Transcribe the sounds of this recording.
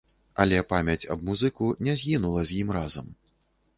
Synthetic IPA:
ɐlʲɛpamʲɐt͡sʲɐbmuzɨkunʲɛzʲɣʲinulˠɐzʲjimrazɐm

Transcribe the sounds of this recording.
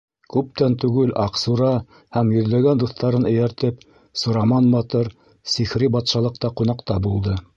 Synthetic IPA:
kʉp̚t̪ænt̪ʉɡɘlɑqsuɾɑ | hæmjɵ̆ðlæɡænd̪uθt̪ɑɾɤnɘ̆jæɾt̪ɘp | sŏɾɑmɑnmɑt̪ɤɾ | sixɾibɑt̪ʃɑlˠɤ̆q̚t̪ɑqunɑqt̪ɑbulˠd̪ɤ

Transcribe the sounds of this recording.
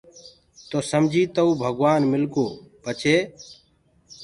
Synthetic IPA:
t̪oːsəmd͡ʒʱiːt̪əuːbʱəɡʋaːnmɪlkoːpət͡ʃʰeː

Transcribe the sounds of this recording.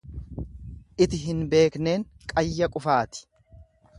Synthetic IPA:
ʔɪt̪ɪɦɪnbe̞ːkne̞ːŋkʼɐjːɐkʼʊfaːt̪ɪ̥

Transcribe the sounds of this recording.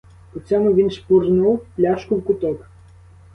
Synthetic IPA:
ʊt͡sʲɔmʊʋʲinʃpurnuwplʲaʃkʊwkʊt̪ɔk

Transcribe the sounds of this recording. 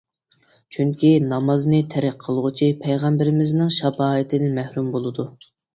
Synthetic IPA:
t͡ʃʰyŋkʲʰinɑmɑznɨt̪ʰæɾæqqʰːəlˠʁʊt͡ʃʰipʰæjʁɑmbɪɾɪmɪznɪŋʃɑbɑːət̪ʰɪd̪ɪnmæhɾumbolˠɨd̪u

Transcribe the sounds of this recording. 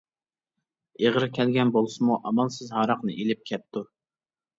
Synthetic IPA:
eʁəɾkʲʰɛlɡʲɛnbolˠsɨmuʔɑmɑlˠsɨzɦɑɾɑqnɨʔelɪp̚kʲʰɛp̚t̪ːu

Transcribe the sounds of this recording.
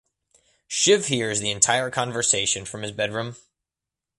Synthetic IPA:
ʃɪv̥hiɹzðiɨ̃ntʰaɪə˞kʰɑ̃ɱvə˞seɪʃɨ̃nfɹʌ̃mɨzbɛdɹʉ̃m

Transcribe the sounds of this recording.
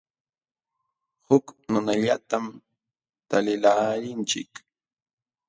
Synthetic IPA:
hʊknʊnaʎat̪am | t̪alɪlaːɾɪnt͡ʃɪ̰k

